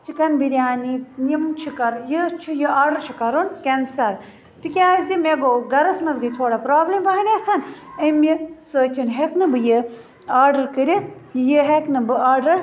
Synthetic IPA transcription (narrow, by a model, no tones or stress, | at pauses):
t͡ʃʰikɐnbiɾʲjaːninimt͡ʃʰikɐɾjɨt͡ʃʰujɨaːɾɖɐɾt͡ʃʰikɐɾunkɐnsɐl | t̪ikʲaːzd̪imeɡoɡɐɾɐsmɐzɡɐjt̪ʰoːɽɐpɾaːblimbɐɦɐneːsʰɐnɐmisəːt͡ʃʰinɦeknɨbɨjə | aːɾɖɐɾkɨɾʲijəɦeknɨbɨaːɾɖɐɾ